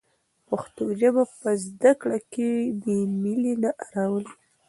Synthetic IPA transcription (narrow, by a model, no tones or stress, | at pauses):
paxt̪ud͡ʒabapəzd̪akɽakebəmilinaʔaɾawəli